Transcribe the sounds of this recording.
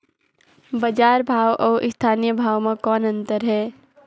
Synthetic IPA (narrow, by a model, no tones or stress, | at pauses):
bəd͡ʒaɾbʱawʔɔ̰ːʔist̪ʰanijəbʱawmekɔːnənt̪əɾɦɛ